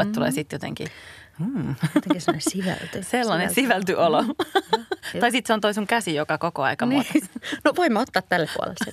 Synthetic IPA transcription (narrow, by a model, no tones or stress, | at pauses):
et̪t̪ulḛːsit̪jot̪ḛŋkḭ | t̪snesiʋæ̰lt̪yselːɑnesiʋælt̪yʔolo | ɑisit̪seont̪oisuŋkæsijokɑkokoɑ̰ikɑ | noʋoimːɑot̪ːɑːt̪t̪ælːeppṵo̰lḛlsse